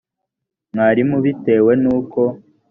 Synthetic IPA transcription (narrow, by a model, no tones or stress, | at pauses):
mŋaːɾimuβite̞ːwe̞nuːko̞